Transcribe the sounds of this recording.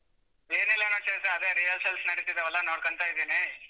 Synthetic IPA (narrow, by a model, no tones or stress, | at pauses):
eːnilːɐnoːt͡ʃesɐɐd̪eɾijɐlselsnɐɽit̪id̪ɐʋɛlːɐnoːɽkoɳt̪aːjid̪eːni